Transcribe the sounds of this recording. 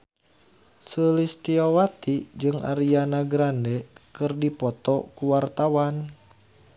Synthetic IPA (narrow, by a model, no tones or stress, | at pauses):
səlist̪iowat̪id͡ʒɨŋʔa̰ɾianaɡɾandɛkɨrdipɔt̪ɔkuwart̪awan